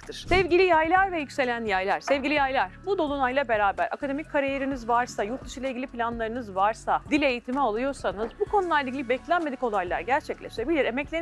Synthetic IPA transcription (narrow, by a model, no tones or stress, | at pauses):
t̪ʰɯɾ̥sɛvɟilʲijajlˠaɾvɛjycʲse̞lʲænjajlʲˠaɾ̥sɛvɟilʲijajlˠaɾ̥bud̪o̞lˠunajlˠabe̞ɾaːbæɾa̰kad̪e̞mic̚kʰːaɾijeɾinizvaɾsajuɾt̪̚ːɯʃɯjlˠaiɟʲilʲiplʲanlˠaɾɯnɯzvaɾsad̪ilʲe̞jit̪ʰimɛalˠujo̞ɾsanɯzbukʰo̞nulˠaɾiɡɟilʲibɛclʲænme̞d̪iko̞lˠajlˠa̰ɾɟæɾt͡ʃʰɛclʲeʃe̞bilʲiɾemɛclʲe